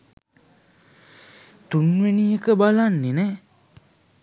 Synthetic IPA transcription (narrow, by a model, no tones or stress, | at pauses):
t̪unʋenijəkəbalanːenɛː